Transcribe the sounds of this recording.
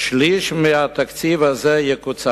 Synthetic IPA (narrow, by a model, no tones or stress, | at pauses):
ʃliʃmɪat̪ak̪t͡sivazɛjɛkut͡sa